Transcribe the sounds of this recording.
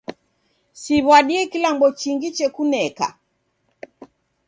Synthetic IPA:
siβwaɗiɛkilambɔt͡ʃiŋɡit͡ʃɛkunɛka̰

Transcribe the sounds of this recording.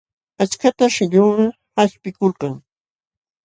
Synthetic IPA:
at͡ʃkat̪aʃɪʎʊːɾa | haspɪkolqɑŋ

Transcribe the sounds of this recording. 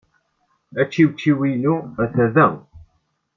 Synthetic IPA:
æt͡ʃːiwt͡ʃːiwijnuæθæðæ

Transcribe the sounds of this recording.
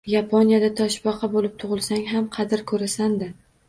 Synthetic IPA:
japʰonijad̪at̪ʰɒʃbɒqʰɑbolɪp̚t̪ʰʊʁɨlˠsaŋɦamqʰɑd̪ɪɾkʰɵɾasand̪ɪ

